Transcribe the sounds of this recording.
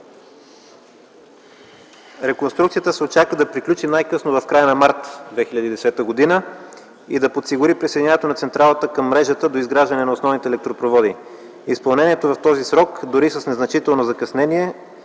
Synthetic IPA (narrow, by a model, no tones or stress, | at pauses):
ɾɛkonst̪ɾukt̪siət̪əsɛott͡ʃakəd̪ɐpɾiklʲut͡ʃinajkɤsnovɐfkɾajənɐmaɾt̪d̪vɛxilʲɐd̪iːd̪ɛsɛt̪əɡod̪inə | id̪ɐpot̪siɡʊɾipɾisejd̪ʲnɲʲavɛt̪onɐt̪sɛnt̪ɾalˠət̪əkɐmːɾɛʒət̪əd̪oizɡɾaʒd̪ɐnɛnɐosnɔvnit̪ɛːlɛk̚t̪ɾopɾovɔd̪i | ispɐlˠnɛniɛt̪ovɐft̪ɔzisɾɔkd̪oɾisəsnɛznɐt͡ʃit̪ɛlˠnozɐkɐsnɛniɛ